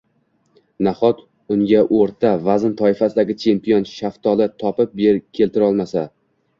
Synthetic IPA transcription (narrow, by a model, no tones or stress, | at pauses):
naχɒt̪ | ʊŋɡʲaʔoɾt̪ʰavazɪnt̪ʰɒɪfasɪd̪aɡʲɪt͡ʃʰe̞mpijonʃaft̪ʰɒlɪt̪ʰɒpɪp̚beɾkʲʰe̞lt̪ɪɾɒlˠmasa